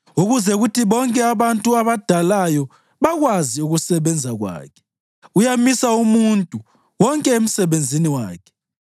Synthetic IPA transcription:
uɣuzɛɣutiβɔŋkʼɛaβantʼuaβad̥ʱalajɔ | βaɣwaziuɣusɛβɛnd͡zʱaɣwa̰ːkʰɛ̥ | ujamisaumuntʼu | wɔŋkʼɛem̩sɛβend͡zʱiniwaːkʰɛ̥

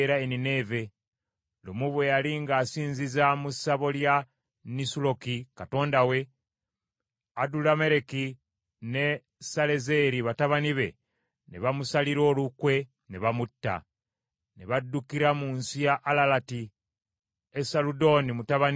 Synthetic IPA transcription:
ɾaenine̞ːve̞ | lumuβwe̞jaliŋɡaːsiːnzizamusaβo̞lja | nisulo̞kikato̞ːndawe̞ | adulame̞ɾe̞ki | ne̞ | sale̞ze̞ɾiβataβaniβe̞ | neβamusaliɾo̞ːlukwe̞ | neβamutːa̰ | neβadːukiɾamunsijaʔːlalati | esaludo̞nimutaβan

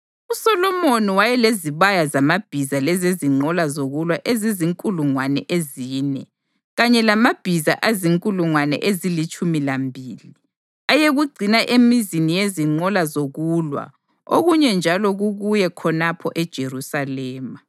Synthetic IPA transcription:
usɔlɔmoniwajɛleziβajazamab̥ʱizalɛzeziŋ͡ǃɔlazoɣulwaʔeziziŋkʼuluŋwanɛ̰ʔeziːnɛ | ɣaɲɛlamab̥ʱiza̰ʔaziŋkʼuluŋwanɛ̰ʔezilit͡ʃʼumilambʱiːli | ajeɣuɡ͡ǀʱinaʔemizinijeziŋ͡ǃɔlazoɣulwa̰ | o̰ɣuɲɛnd͡ʒʱalɔɣuɣujɛkʰɔnapʰɔʔɛd̥ʒ̥ʱerusalɛːma

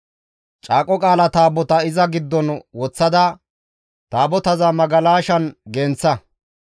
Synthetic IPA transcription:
t͡ʃʼaːkʼɔkʼaːlɐt̪aːbɔt̪ɐɪzɐɡɪd̪ːɔnwɔt͡sːɐd̪ɐ | t̪aːbɔt̪ɐzɐmɐɡɐlaːʃɐnɡɛnt͡sːɐ

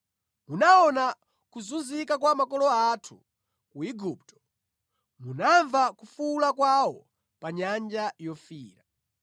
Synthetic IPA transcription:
munaɔna | kuzunzikakwamakɔlɔatʰu | kuiɡup̚tɔ̥ | munaɱvakufulakwawɔ | paɲand͡ʒajɔfiːɾa

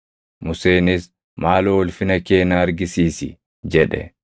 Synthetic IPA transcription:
mʊse̞ːnɪs | maːloɔlfɪnɐkeːnaːɐɾɡɪsiːsɪ̰ | d͡ʒɛᶑɛ̰

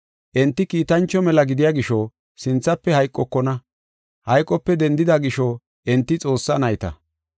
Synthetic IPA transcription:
ʔɛnt̪ːɪkiːt̪ɐnt͡ʃːɔmɛlɐɡɪd̪ɪjaːɡɪʃɔ | sɪnt͡sːɐpːɛhɐjkʼːɔkːɔnɐ | hɐjkʼːɔpːɛd̪ɛnd̪ɪd̪ɐɡɪʃɔ | ʔɛnt̪ːɪt͡sʼo̞ːsːɐnɐjt̪ɐ̰

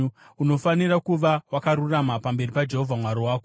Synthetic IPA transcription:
uno̞fanirakuʋawakaɾuramapambe̞ripad͡ʒe̞ɦovʱamwaɾowaːko

